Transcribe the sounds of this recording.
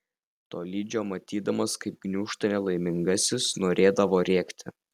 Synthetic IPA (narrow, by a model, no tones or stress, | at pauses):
t̪oːlʲiːd͡ʒʲoːmɐt̪ʲiːd̪ɐmɐskɐɪp̚ɡnʲuːʃt̪ɐnʲɛlˠɐɪmʲɪŋɡɐsʲɪsnoːɾʲʔeːd̪ɐʋoːɾʲeːkt̪ʲɪ̰